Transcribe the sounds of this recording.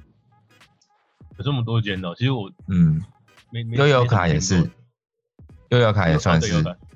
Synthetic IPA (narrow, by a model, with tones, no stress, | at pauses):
jo˨˩ʈ͡ʂə˥˩mə˨˩t̪̬wɔ˥t͡ɕjɛ˥˦nd̪ə˨i˧˥ʂɻ̩˧˥wɔ˨˩n̩˥˨˩ | mejo˥˦ʊjo˨˧˦ʊkʰa˨˦jɛ˨˩ʂɻ̩˥˩ | jo˧˦jo˧ʊkʰa˨˩jɛ˨˩swa˥˨nɻ̩˧˥˩